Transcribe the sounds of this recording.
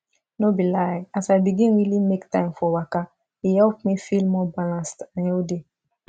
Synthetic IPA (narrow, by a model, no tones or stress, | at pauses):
nobilajeasabiɡĩnwilimektãj̃mfɔwaka | ijɛukmĩfilmɔbalãstãjeode